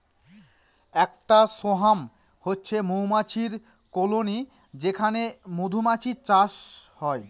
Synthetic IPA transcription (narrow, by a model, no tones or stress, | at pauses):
ɛk̚ʈasoɦam | hotːɕʰemomat͡ɕʰiɾ | koloni | d͡ʑekʰanemod̪ʱumat͡ɕit͡ɕaʃhɔe